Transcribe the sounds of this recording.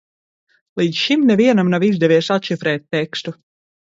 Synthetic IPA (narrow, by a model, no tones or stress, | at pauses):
lˠiːt̪sʃimnɛvʲiɛnamnavizd̪ɛvʲiɛsat̪ʃifɾɛːt̪̚ʲːɛkst̪u